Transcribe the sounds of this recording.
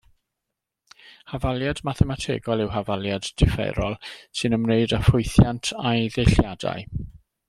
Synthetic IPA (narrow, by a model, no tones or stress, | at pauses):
havalˠjadmaθɛmatʰḛːɡɔlˠɪwɦavalˠjadːɪfɛ̰ɾɔlˠsɨnəmneɨdafʊɨθjantʰajðejɬjada̰ɨ